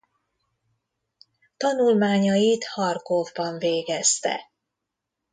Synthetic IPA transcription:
t̪ɒnulmaːɲɒjit̪hɒrkovbɒɱveːɡɛst̪ɛ̰

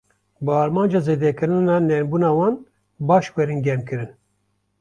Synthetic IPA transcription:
bɨɑːɾmɑːnd͡ʒɑːzeːd̪ɛkɨɾɨnɑnɛnbuːnɑːwɑːn | bɑːʃxwɛɾɨnɡʲɛmkɨɾɨn

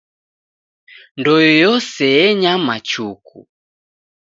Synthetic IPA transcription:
ndɔjɔjɔsɛjɛɲamat͡ʃukʰṵ

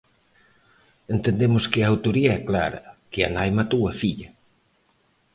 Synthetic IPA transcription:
ent̪end̪emʊskɪaːwt̪oɾiaɛkla̰ɾɐ̰kea̰najmat̪uɐfiʎɐ

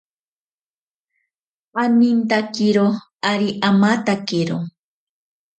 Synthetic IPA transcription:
anint̪akiɾo | aɾiʔamat̪akiɾo̰

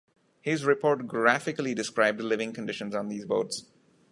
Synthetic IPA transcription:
hɪzɾɪpʰɔːɾʈɡɾæfɪkəliɖɪskɾaɪb̚dlɪʋɪ̃ŋkə̃nɖɪʃə̃nz̃nd̪iːzboːts

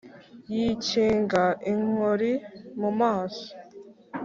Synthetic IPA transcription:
jiːceːŋɡaʔiŋ̥oɾimumaːso̥

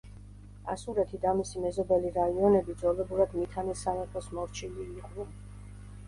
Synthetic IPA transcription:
a̰suɾɛt̪ʰid̪amisimɛzɔbɛliɾaiɔnɛbid̪zɔlɛbuɾad̪mit̪ʰanisamɛt̪ʰɔsmɔɾt͡ʃʰiliːʁvun

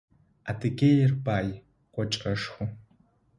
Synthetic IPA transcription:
atʰɨkʲeːjɪrpaːj | qʷɔt͡ʃʼɐʂxʷʊ

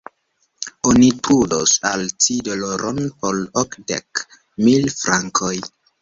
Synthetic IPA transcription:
onitudosalt͡sidoloɾʔonpolokdḛk | milfɾaŋkʰoj

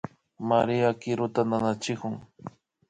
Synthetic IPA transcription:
maɾiakɪɾʊt̪ananat͡ʃɪkʊŋ

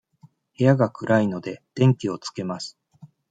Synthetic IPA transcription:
he̞jaɡakɯ̟ɾʔaino̞d̪e̞d̪̥ẽ̞ŋkʲio̞t͡sɨ̥ke̞masɨ̥

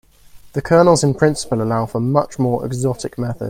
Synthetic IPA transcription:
ðəkʰɜːnəlˠzɪ̃npʰɹ̥ɪ̃nsɪ̥pələlaʊfəmʌt͡ʃmɔːɹʔɛ̰ɡzɒtʰɪk̚mɛθə̰d̥

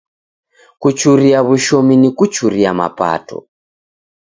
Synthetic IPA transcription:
kut͡ʃuɾiaβuʃominikut͡ʃuɾiama̰pa̰tɔ̰

